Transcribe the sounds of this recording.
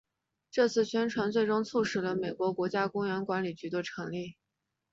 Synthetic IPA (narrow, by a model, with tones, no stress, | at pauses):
ʈ͡ʂɤ˥˧t͡sʰɹ̩˥˩ɕɥɛ˥nʈ͡ʂʰwa˧˥nt͡swe˥˩ɪʈ͡ʂʊ˥ŋt͡sʰu˥˩ʂɻ̩˨˩lə˧me˨˩ɪkwɔ˧˥kwɔ˧˥t͡ɕja˥kʊ˥ŋɥɛ˧˥nkwa˧˥nli˨˩t͡ɕy˧˥d̪ə˧ʈ͡ʂʰɤ˧˥ŋli˥˩